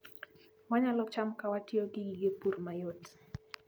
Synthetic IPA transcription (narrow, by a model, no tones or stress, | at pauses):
waɲalɔt͡ʃamkawatjoɡɪɡiɡepurmajot